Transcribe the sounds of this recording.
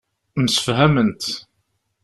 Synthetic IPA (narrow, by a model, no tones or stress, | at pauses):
məsə̥fɦæmənt̪